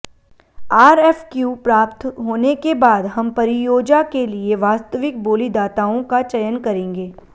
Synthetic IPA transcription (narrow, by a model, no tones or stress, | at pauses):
aːɾɛːfkjuːpɾaːpt̪ɦoːnekebaːd̪ɦɐmpɐɾɪjoːd͡ʒakelieʋaːst̪əʋɪk̚boːlid̪aːt̪aːõkat͡ʃɐjənkɐɾẽːŋɡeː